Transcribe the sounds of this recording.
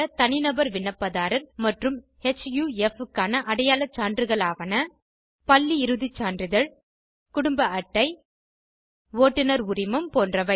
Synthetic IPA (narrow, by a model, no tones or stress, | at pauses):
ɐt̪ɐnɪnɐbɐɾʋɪnːɐpːɐðaːɾɐɾmɐʈrɯm | ɛt͡ʃːjuːɛfɯkːaːnɐʔɐɽɐjaːlɐt͡ʃːaːndrɯɣɐɭaːʋɐnɐ | pɐlːiɪɾɯðɪt͡ʃːaːndrɪðɐɭ | kʊɽʊmbɐɐʈːɐɪ | ʋoːʈːɪnɐɾʊrɪmɐmpoːndrɐʋɐ